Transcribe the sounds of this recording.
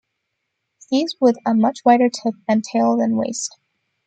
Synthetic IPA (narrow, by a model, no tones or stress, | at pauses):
ðizwɪðəmʌt͡ʃwaɪɾə˞tʰɪp̚ɨ̃ntʰeɪlˠðɨ̃nwḛɪst̚